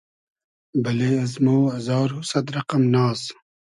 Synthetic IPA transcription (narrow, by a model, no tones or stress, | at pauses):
bɐleːɐzmoːɐzɑːɾɦusɐd̪ɾɐqɐmnaːs